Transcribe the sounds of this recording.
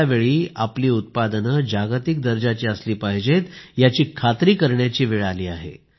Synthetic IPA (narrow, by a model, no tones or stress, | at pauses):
aʋeɭiːapliːut̪̚pad̪ənəd͡ʑaɡt̪ik̚d̪əɾd͡ʑat͡ɕiːəsliːpaɦd͡ʑet̪jat͡ɕiːkʰat̪ɾiːkəɾɳjat͡ɕiːʋiɭaliːaɦḛ